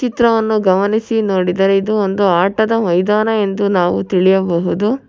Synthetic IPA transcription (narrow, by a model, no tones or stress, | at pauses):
t͡ʃit̪ɾɐʋɐnːuɡɐmɐnisinoːɽid̪ɐɾeid̪uond̪uaːʈɐd̪ɐʋɐjd̪aːnɐe̞nd̪unaːʋut̪iɭijɐbɐɦud̪u